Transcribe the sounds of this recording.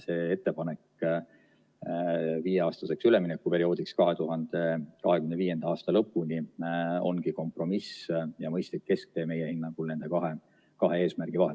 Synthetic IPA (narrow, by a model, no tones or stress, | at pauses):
se̞ːe̞t̪ːe̞pɑne̞k | viːjeɑːst̪ɑse̞ksyleminekːupe̞ɾio̞ːd̪̥ikskɑɦe̞t̪uɦɑnd̪̥e̞kɑɦe̞kymneviːje̞nd̪̥ɑɑːst̪ɑlɤpːˑunʲio̞̰nɡ̥iko̞mpro̞misjɑmɤjst̪likke̞sk̚t̪e̞ːme̞jehinːɑŋɡ̥ulne̞nd̪e̞kɑɦe | kɑɦe̞e̞ːsmærɡ̥ivɑɦel